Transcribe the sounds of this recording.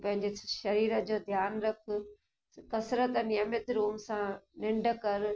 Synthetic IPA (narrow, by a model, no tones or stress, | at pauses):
pɐ̃ɦɪɲd͡ʑeʃɐɾiːɾəd͡ʑoːd̪ʱjaːnɾɐkʰʊ̆ | kɐsɾət̪ənɪɐmɪt̪ɾuːmsãnɪ̃ɳɖ̆kɐɾ